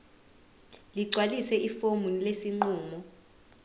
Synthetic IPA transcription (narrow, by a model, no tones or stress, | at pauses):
liǀʱwalisɛʔifomulesiŋ͡ǃuːmɔ